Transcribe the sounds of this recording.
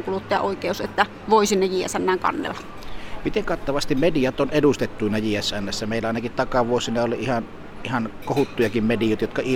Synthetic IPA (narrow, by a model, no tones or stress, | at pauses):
ŋkulut̪ːɑjɑ̰ʔoˑikeˑuset̪ːæ | ʋoˑisinːejiæ̰sænːæːŋkɑ̰nːḛlːɑ̥ | mit̪eŋkɑt̪ːɑʋɑst̪immedijɑt̪onedust̪et̪ːuinɑjiæsænːæsːæmeˑilːˑæɑˑenɑkit̪t̪ɑkɑʋuosinɑolḭihɑn | ihɑnkohut̪ːujɑkimmedijoˑt̪jot̪kɑi